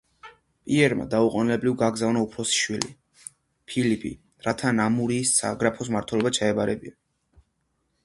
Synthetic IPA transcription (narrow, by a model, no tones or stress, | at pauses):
pʼiɛɾma̰d̪auqʼɔnilɛblivɡaɡzavnaupʰɾɔsi̥ʃwilḭ | pʰilipʰḭ | ɾat̪ʰanamuɾiːsːa̰ɡɾapʰɔs̬maɾt̪ʰwɛlɔbat͡ʃʰaɛbaɾɛbia